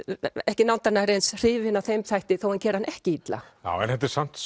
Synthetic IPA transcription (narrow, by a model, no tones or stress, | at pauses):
ɛhcɪnawnt̪anaɾejnsr̥ɪːvɪnawθejmθajht̪ɪθowhancɛːɾɪhanʔɛhcɪit̪la̰ja̰wɛnhɛt̪ɛɾsan̥t̪